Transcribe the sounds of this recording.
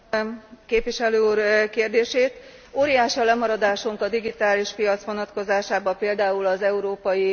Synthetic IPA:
keːpʋiʃɛløːuːrkeːrd̪eːʃeːt̪ | oːɾijaːʃiɒlɛmɒɾɒd̪aːʃuŋkɒd̪iɡit̪aːliʃpijɒt̪sʋo̞nɒt̪ko̞zaːʃaːbɒpeːld̪aːulɒzɛuɾoːpɒji

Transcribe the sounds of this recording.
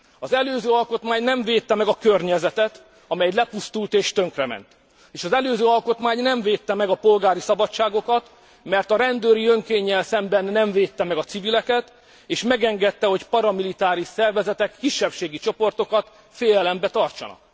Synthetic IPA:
ɒzɛløːzøːɒlko̞t̪maːɲnɛɱveːt̪ːɛmɛɡɒkørɲɛzɛt̪ɛt̪ | ɒmɛjɛlɛpust̪ult̪eːʃt̪ø̞ŋkrɛmɛ̰nt̪ | eːʃɒzɛløːzøːɒlko̞t̪maːɲnɛɱveːt̪ːɛmɛɡɒpo̞lɡaːɾisɒbɒt͡ʃːaːɡo̞kɒt̪ | mɛrt̪ɒɾɛnd̪øːɾiøŋkeːɲːɛlsɛmbɛnːɛɱveːt̪ːɛmɛɡɒt̪sivilɛkɛt̪ | eːʃmɛɡɛŋɡɛt̪ːɛho̞cpɒɾɒmilit̪aːɾiʃsɛrvɛzɛt̪ɛkːiʃːɛpʃeːɡit͡ʃo̞po̞rt̪o̞kɒt̪ | feːjɛlɛmbɛt̪ɒrt͡ʃɒ̰nɒ̰k̚

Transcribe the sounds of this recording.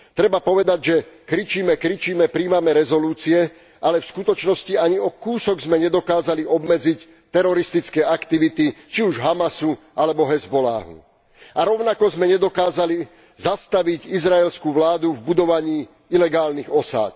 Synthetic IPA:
t̪ɾɛbapɔʋɛd̪aɟʒɛkɾit͡ʃiːmɛkɾit͡ʃiːmɛpɾiːmamɛɾɛzɔluːt͡siɛ | ʔalɛfskut̪ɔt͡ʃnɔsciaɲiɔkuːsɔɡzmɛɲɛd̪ɔkaːzaliɔbmɛd͡zic | t̪ɛɾɔɾist̪it͡skɛːakt̪iʋit̪it͡ʃiuʒɦamasu | alɛbɔɦɛzbɔla̰ːɦṵ | aɾɔʊnakɔzmɛɲɛd̪ɔkaːzali | zast̪aʋiɟizɾaɛlskuːʋlaːd̪uvbud̪ɔʋaɲiː | ilɛɡaːlniɣɔsa̰ːt̪

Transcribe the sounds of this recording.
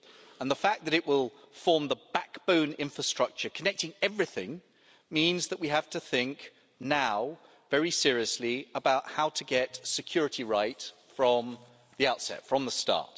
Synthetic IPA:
ə̃nðəfæk̚ðɨɾɨʔwɪlˠ | fɔːmðəb̥akb̥ə̃ʊ̃nɪ̰̃ɱfɹəstɹ̥ʌk̚t͡ʃəkʰənɛk̚tɪ̃ŋɛvɹɪθɪ̰̃ŋ | mĩnzðəʔwiɦəftʰəθɪ̃ŋk | naʊ | vɛɹisɪɹiəsliəbaʊthaʊtʰəɡɛtsɨkʰj̥ʊːɹɨɾʰiɹaɪtfɹə̃m | ðiaʊtsɛ̰tfɹə̃mðəstɑ̰ˑt

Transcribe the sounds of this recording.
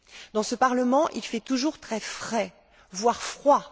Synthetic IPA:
d̪ɑ̃səpaʁləmɑ̃ʔilfɛt̪uʒuʁt̪χɛfχɛ | vwaʁfχwa

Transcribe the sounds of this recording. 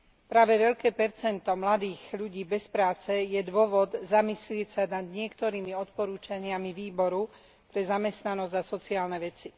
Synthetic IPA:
pɾaːʋɛʋɛʎkɛːpɛɾt͡sɛnt̪ɔmlad̪iːɣʎuɟiːbɛspɾaːt͡sɛjɛd̪ʊɔʋɔd̪zamislɪɛcsanad̪ɲɪɛkt̪ɔɾiːmiɔt̪pɔɾuːt͡ʃaɲɪamiʋiːbɔɾu | pɾɛzamɛst̪nanɔzɟasɔt͡siaːlnɛʋɛt͡si

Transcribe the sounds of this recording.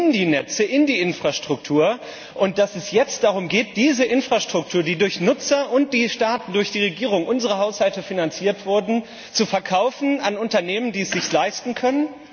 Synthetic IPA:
ɪndiːnɛt͡səʔɪndiːʔɪnfʁ̥aʃtʁ̥ʊktʰuːɐ | ʔʊnt̚d̥asɛsjɛt͡st̚d̥aʁʊmɡeːt̚d̥iːzəʔɪnfʁ̥aʃtʁ̥ʊk̚tʰuːɐdiːdʊɐçnʊt͡sɐʔʊnt̚d̥iːʃtaːtn̩dʊɐçd̥iːʁeɡiːʁʊŋʔʊnzəʁ̞əɦaʊshaltəfinant͡siːɐtv̥ʊɐdn̩ | t͡sufɛɐkʰaʊfn̩anʊntɐneːməndiːɛsz̥ɪçslaɪstn̩kʰœnən

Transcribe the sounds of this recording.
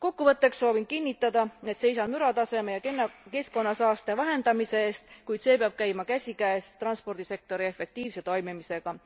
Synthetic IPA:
ko̞kːuvɤt̪ˑːe̞ksso̞ːvinkinʲːit̪ːˑɑd̪̥ɑe̞t̪se̞js̬ɑnmyɾɑt̪ɑse̞me̞jɑkenke̞sko̞nːɑsɑːst̪evæɦe̞nd̪̥ɑmise̞eːst̪kujd̪̥se̞peɑb̥̚kæjmɑkæsʲikæːst̪rɑnspo̞rd̪̥ise̞k̚t̪o̞ɾie̞fe̞k̚t̪iːvse̞t̪o̞jmimise̞ɡ̥ɑ

